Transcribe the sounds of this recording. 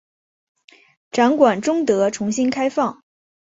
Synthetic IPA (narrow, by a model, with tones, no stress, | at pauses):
ʈ͡ʂa˧˥nkwa˨˩nʈ͡ʂʊ˥ŋt̪ɤ˧˥ʈ͡ʂʰʊ˧˥ŋɕi˥nkʰa˥ɪfɑ˥˩ŋ